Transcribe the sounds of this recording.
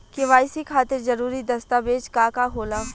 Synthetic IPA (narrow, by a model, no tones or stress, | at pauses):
kɪʋaːɪsikʰaːt̪ɪɾzɐɾuːɾid̪ɐst̪aːbeːd͡ʒkaːkaɦoːla